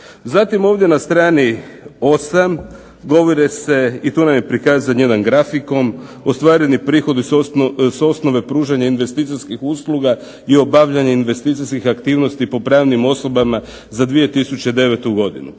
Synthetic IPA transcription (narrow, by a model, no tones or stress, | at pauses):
zat̪imo̞ːʋd̪je̞nast̪ɾaːnio̞sam | ɡo̞ʋoɾese̞it̪uːnamjepɾikaːzanje̞d̪anɡɾafiko̞m | ost̪ʋaːɾenipɾiːxo̞d̪iso̞sno̞ʋe̞pɾuːʒaɲainʋe̞st̪iːt̪siskixuslˠuɡa | io̞baʋʎaɲeinʋe̞st̪iːt̪siskixakt̪iːʋno̞st̪ipo̞pɾaːʋnimo̞so̞bama | zad̪ʋije̞t̪isut͡ɕed̪e̞ʋet̪uɡo̞d̪ḭnu